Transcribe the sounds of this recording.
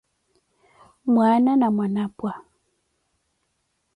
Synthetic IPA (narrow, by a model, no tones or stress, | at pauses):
mwananamwanapwa